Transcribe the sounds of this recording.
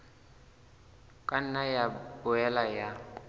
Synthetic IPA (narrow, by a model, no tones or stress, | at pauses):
kʼan̩najabʊɛlaja